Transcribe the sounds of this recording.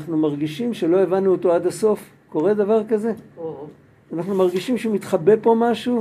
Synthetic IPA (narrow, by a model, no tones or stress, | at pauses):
χnumaʁɡiʃimʃe̞lo̞evanːuoto̞adaso̞f | ko̞ʁe̞davaʁkaze̞ | anaχnumaʁɡiʃimʃeumit̪χabepo̞maʃu